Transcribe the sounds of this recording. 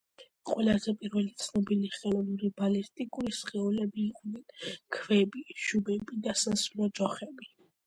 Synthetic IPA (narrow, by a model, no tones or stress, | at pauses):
qʼwɛlˠazɛpʼiɾvɛlit̪sʰnɔbiliχɛlˠɔnuɾibalist̪ʼikʼuɾisχɛulɛbiːqʼnɛnkʰvɛbiʃubɛbid̪asansulɔt͡ʃʼɔχɛbi